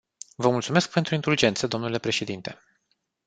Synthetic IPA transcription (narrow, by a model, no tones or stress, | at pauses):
vəmult̪sume̞sk̚pe̞nt̪ɾuint̪uld͡ʒe̞nt̪səd̪o̞mnule̞pɾe̞ʃe̞d̪int̪e̞